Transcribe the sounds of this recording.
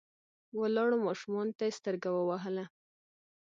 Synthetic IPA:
walɑɽomɑʃumɑnot̪ajest̪əɾɡawəwaɦəla

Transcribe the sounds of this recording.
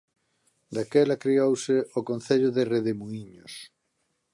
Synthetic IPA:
d̪akɛlakɾiowsɪokõnθeʎʊðereðemuiɲos

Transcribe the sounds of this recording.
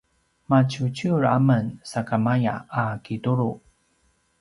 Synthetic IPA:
mat͡ɕut͡ɕuɾamənsakamaja̰ːkituɾu

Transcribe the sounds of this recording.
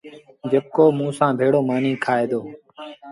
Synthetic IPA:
d͡ʒəb̚koːmũːsãːbʱeːɽoːmaːnĩːkʰaːeːd̪oː

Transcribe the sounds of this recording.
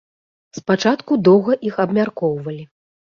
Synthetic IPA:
spat͡ʂat̪kud̪ɔwɣɐʔixɐbmʲarkɔwvɐlʲi

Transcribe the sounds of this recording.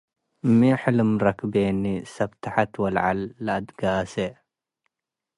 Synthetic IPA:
mːiħɪlɨmɾɐkbenisɐbt̪ʰaħat̪wɐlʕa̰lːaʔad̪ɡaːse

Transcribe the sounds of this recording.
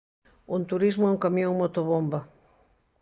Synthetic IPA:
unt̪uɾizmʊɛuŋkamjõŋmot̪oβombɐ

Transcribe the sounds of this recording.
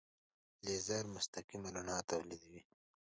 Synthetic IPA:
leːzaɾmʊst̪ɐkimɐlanɑːt̪awlid̪wi

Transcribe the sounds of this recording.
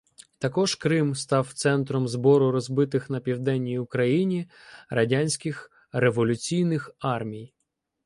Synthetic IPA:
t̪ɐkɔʒkɾɪmst̪ɑwt̪sɛnt̪ɾɔmzbɔɾʊɾɔzbɪt̪ɪxnɐpʲiwd̪ɛnʲːijʊkɾɐjinʲiɾɐdʲanʲsʲkʲɪx | re̞ʋɔlʲʊt͡sʲijnɪxɑrmʲij

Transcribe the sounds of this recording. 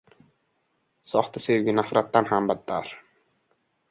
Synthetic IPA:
sɔχt̪əseɡinafɾat̪ːanɦambat̪ːa̰ɾ

